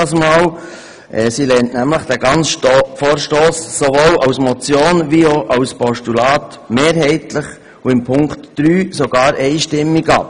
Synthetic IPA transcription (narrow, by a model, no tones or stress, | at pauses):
ɑsmɑːl | ʔɛːsilɛntnæmləχd̥æɡɑnt͡sʃfoːɾʃtoːsːoʋoːlɑʊsmɔt͡sjoːnʋioʔɑwspɔʃtulɑːt | meːɾɦɛɪtləχ | uɪmpʰʊŋktd̥ɾyːsoɡɑːɾʔɛɪʃtɪmːiɡɑ̰ː